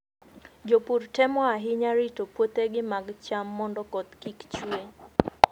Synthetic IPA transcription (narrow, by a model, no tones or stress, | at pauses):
d͡ʒopurtɛmɔaɦɪɲaɾitopwot̪eɡɪmaɡt͡ʃamːɔndɔkɔt̪kikt͡ʃue